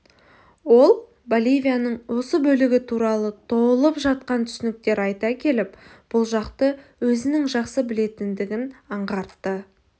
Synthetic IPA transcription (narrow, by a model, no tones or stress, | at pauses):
wo̞lˠ | bolʲijvʲijanəɴwo̞səbɵlɪɡʲɪt̪ʰuɾɑlˠət̪ʰo̞bəlˠəpʒɑt̪̚qɑnt̪ʰʏ̥sɪnɪk̚t̪e̞ɾɑjt̪ɑkʲʰe̞lɪp | b̥ʊlˠʒɑqt̪əwɵzɪnɪŋʒɑqsəbɪle̞t̪ɪnd̪ɪɡʲɪnɑɴʁɑɾt̪ːə